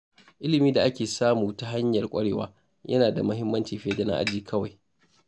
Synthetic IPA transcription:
ʔɪ˦lɪ˨miː˦da˨ʔa˦kʲeː˨saː˦muː˨ta˦ɦa˦ɲjɐ˨rkʷʼɐ˦ɽeː˨wa̰ː˨˦ | jʔɐ̰˦naː˨da̰˨mɐ˦ɦɪ˦mːɐ˦nt͡ʃiː˨ɸeː˦dɐ˦na̰˦ʔa̰˦d͡ʒiː˨kʰɐ˦wa˨j

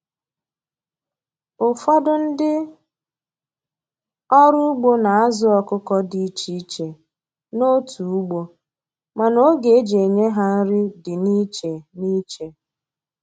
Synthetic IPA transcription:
ʊ˨fa˦dʊ˦n̩˦dɪ˦ | ɔ˦ɾʊ˦u˦ɡ͡bo˦na˨a˦zʊ˦ɔ˨kʊ˦kɔ˦di˨˦t͡ʃi˦t͡ʃe˨ | no˦tu˨u˦ɡ͡bo˦ | ma˨no˦ɡe˨e˦d͡ʒe˨e˨ɲe˦ɦa˦n̩˦ɾɪ˦dɪ˨ni˦t͡ʃe˨ni˦t͡ʃe˨

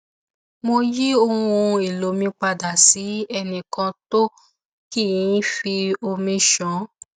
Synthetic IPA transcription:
mo˧ji˦o˧ũ˧i˨lo˨mĩ˧k͡pa˧da˨si˨˦ɛ˧nĩ˨kã˧to˦ | ki˦˨ĩ˨˦fi˧o˧mĩ˧ʃɔ̃˨˦

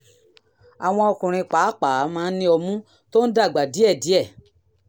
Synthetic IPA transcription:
a˨w̃ɔ̃˧ɔ˧kũ˨ɾ̃ĩ˧k͡paː˨˦k͡paː˨˦mãː˧˦nĩ˧ɔ˧mũ˦ | to˦n̩˦da˦˨ɡ͡ba˨di˨˦ɛ˦˨di˨˦ɛ˦˨

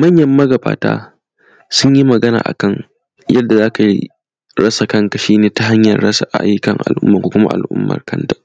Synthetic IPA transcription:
mɐ˦˨ɲjɐ˦mːɐ˦ɡɐ˨ba̰ː˨ta̰ː˦ | sʊ˦ɲji˦mɐ˨ɡɐ˦na̰ː˨ʔa̰˨kɐ˦˨ŋ | jʔɐ˦dːa˨zaː˦ka˨ḭ˦ | ɾɐ˦sa˨kɐ˦ŋka˨ʃiː˦neː˨ta˨ɦa˦ɲjɐ˨rːɐ˦sa˨ʔa̰˨ʔa̰˦jkɐ˨ŋʔa̰˨lʔʊ̰˦mːɐ˨ŋkʷoː˦kʷʊ˦ma̰˦ʔa̰˨lʔʊ̰˦mːɐ̰˨rkɐ˦nta˨

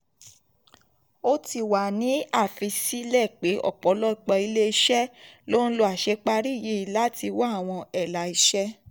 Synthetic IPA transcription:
o˦ti˧˨wa˨nĩ˨˦a˦˨fi˨˧si˦lɛ˦˨k͡pe˨˦ʔɔ̰˦˨k͡pɔ˨˦lɔ˦i˨˧˨k͡pɔ˧i˧le˦i˦˧ʃɛ˦lo˦n̩˦lo˧a˨ʃɛ˧˦k͡pa˧ɾi˦˨je˨˦i˨la˦ti˧wa˦a˦˨w̃ɔ̃˧ɛ˨la˨i˨˧ʃɛ˦

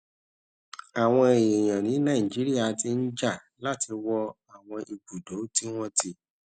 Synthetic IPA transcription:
a˨w̃ɔ̃˧e˨je˨j̃ã˨nĩ˨˦nã˦˨ĩ˨d͡ʒi˨˦ɾi˦a˦˨ti˧n̩˦d͡ʒa˦˨ | la˦ti˧wɔ˧ | a˨w̃ɔ̃˧ʔi˧ɡ͡bu˨do˨˦ti˦w̃ɔ̃˦ti˧˦

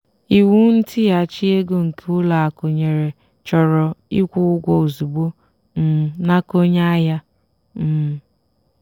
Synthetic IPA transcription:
i˨wu˦n̩˦ti˦ja˨t͡ʃi˦e˦ɡo˨ŋ̩˨kʰe˦ʊ˦la˨a˨ko˨ɲe˨ɾe˨ | t͡ʃɔ˨ɾɔ˨i˦kʷʊ˦ʊ˦ɡʷɔ˨o˨zu˨bo˦ | m̩˦˨na˦ko˦ɲa˦a˦ja˦ | m̩˦˨

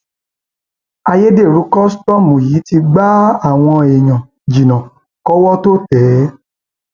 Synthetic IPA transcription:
a˧je˦de˦˨ɾu˨˦kɔ˦stɔ˦˨mũ˨ji˨˦ti˧ɡ͡ba˦a˦˨w̃ɔ̃˧e˨ɲ̃ã˨ | d͡ʒi˨nã˨ | kɔ˦wɔ˦to˦tɛ˨˦

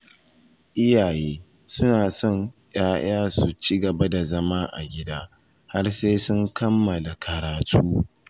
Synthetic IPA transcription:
ʔɪ˦jaː˨jeː˦ | sʊ˦naː˨sɔ˦˨ŋjaː˦j̰aː˦su˨t͡ʃɪ˦ɡɐ˨ba˦da˨zɐ˦maː˦ʔa̰˨ɡʲɪ˦daː˦ | ha˦rseː˦sʊ˦ŋkɐ˦mːɐ˨la˨kʰɐ˨ɾaː˨tʰuː˦

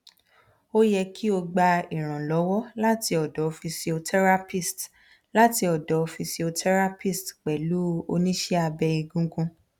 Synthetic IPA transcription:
o˦jɛ˧ki˦o˧ɡ͡ba˧i˨ɾ̃ã˨lɔ˨˦wɔ˦la˦ti˧ɔ˨dɔ˨˦˧fi˧si˧o˧tʰɛ˦ɾa˦pi˦˨st | la˦ti˧ɔ˨dɔ˨˦˧fi˧si˧o˧tʰɛ˦ɾa˦pi˦˨stk͡pɛ˨lu˨˦o̰˧nĩ˦ʃɛ˦a˧bɛ˧i˧ɡũ˦ɡũ˧

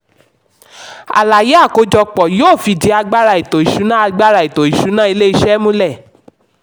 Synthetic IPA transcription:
a̰˨la˨je˨˦a˦˨ko˨˧˦d͡ʒɔ˧k͡pɔ˨jo˦˨fi˧˨di˨˦a˧ɡ͡ba˦ɾa˧i˨to˨i˨ʃu˨˦nã˦a˧ɡ͡ba˦ɾa˧i˨to˨i˨ʃu˨˦nã˦i˧le˦i˧ʃɛ˦mũ˦lɛ˦˨

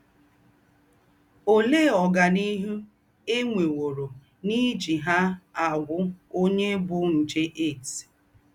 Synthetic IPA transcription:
o˦le˦˨ɔ˨ɡa˨ni˦ɦu˦ | e˦ŋʷe˨wo˨ɾo˨ | ni˦d͡ʒi˨ɦa˦a˨ɡʷʊ˦o˦ɲe˦bʊ˦n̩˨d͡ʒe˦ʔe˦˨t

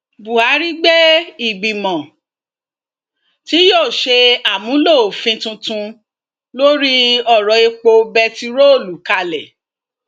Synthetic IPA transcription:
bu˨ha˨˦ɾi˦ɡ͡bɛ˦i˨ɡ͡bi˨mɔ̃˨ | ti˨˦joː˦˨ʃe˧a˦˨mũ˨˦lo˦˨o˨fĩ˧˦tũ˧tũ˧ | lo˦ɾi˦ɔ˦˨ɾɔ˨e˧k͡po˧bɛ˧ti˧ɾo˦o˦˨lu˨˦ka˧lɛ˨

